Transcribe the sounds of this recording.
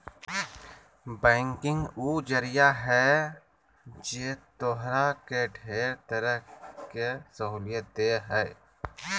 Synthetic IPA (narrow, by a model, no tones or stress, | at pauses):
bɛ̃ːŋkɪ̃ŋɡuːd͡ʒəɾɪjaɦɛ | d͡ʒeːt̪oɦɾakeɖʱeːɾt̪əɾəɦkesəɦuːlɪjət̪̚d̪eːɦɛː